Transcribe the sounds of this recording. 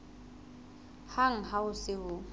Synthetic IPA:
haŋ̩ɦaʊsɪɦʊ

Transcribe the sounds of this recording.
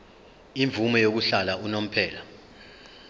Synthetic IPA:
iɱvumɔjok̬uɬalaʔunom̩pʰɛːla

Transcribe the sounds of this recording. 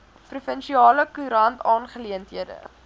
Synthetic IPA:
prufənʃiɑːləkuɾɐntɑːnχəliəntɦiədə̰

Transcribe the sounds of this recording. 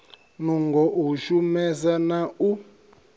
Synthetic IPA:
nuŋɡɔʔuʃumɛzanau

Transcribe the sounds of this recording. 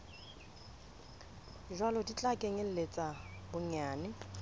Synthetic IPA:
ʒwalɔdit͡ɬʼakʼeŋɪl̩let͡sʼabʊɲaːnɪ

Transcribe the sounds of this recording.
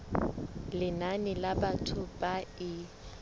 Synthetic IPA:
lɪnanɪlabatʰʊbaɪ

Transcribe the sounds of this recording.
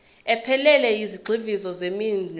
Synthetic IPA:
ɛpʰɛlɛlɛiziɡ͡ǀʱivizɔzemind͡ɮ

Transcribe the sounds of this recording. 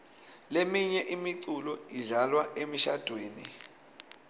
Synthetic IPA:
lemiɲɛʔimiǀulɔiɮalwaʔemiʃad̥ʱweːni

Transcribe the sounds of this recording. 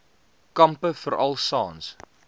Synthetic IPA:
kɐmpəfəɾʔɐlˠsɑːns

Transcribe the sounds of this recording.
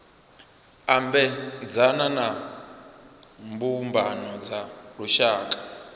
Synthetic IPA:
ambɛd͡zanana | mbumbʱanɔd͡zaɺuʃaːk̬ʼḁ

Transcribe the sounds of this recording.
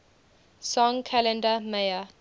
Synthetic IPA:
sɔ̃ŋkʰalɛ̃ndəmeɪə

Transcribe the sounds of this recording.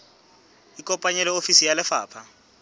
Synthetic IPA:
ikʼɔmpʼaɲɛlɛofisijalɛfa̰ːpʰa

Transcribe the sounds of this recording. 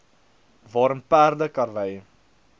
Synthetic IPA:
vɑːɾənpæːrdəkɐrvəj

